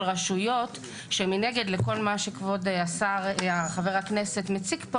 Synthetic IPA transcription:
lʁaʃujo̞t | ʃemine̞ɡedleko̞lmaʃekvo̞dasaʁaχaveʁakne̞se̞t̪met͡sikp

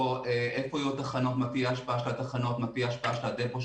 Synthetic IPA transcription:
oeʔefoijut̪aχano̞t̪matiaʃpaʔaʃelat̪aχanot̪matiaʃpaaʃelad̪epoʃ

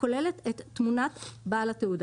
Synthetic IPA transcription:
ko̞le̞let̪etːmunat̪baalat̪eud

